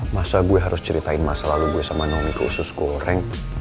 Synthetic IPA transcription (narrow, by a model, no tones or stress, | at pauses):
masaɡuɛɦaɾʊst͡ʃəɾit̪aɪnmasalaluɡuɛsamanɔnikuṵsʊskuoɾɛŋ